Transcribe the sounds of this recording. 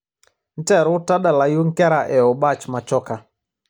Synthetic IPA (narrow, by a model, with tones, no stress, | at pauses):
n̩˦tɛ˦˨ɾʊ˦ta˦ɗa˨la˨ju˦ŋ˦kɛ˦ɾa˨ʔɛ˨ɔ˨ba˦˨t͡ʃma˨t͡ʃɔ˦ka˨